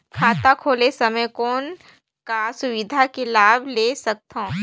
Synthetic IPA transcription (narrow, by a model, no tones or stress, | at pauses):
kʰaːt̪akʰoːlesɐməjkoːn | kasʊwɪd̪ʱakelaːbleːsɐk̚t̪õː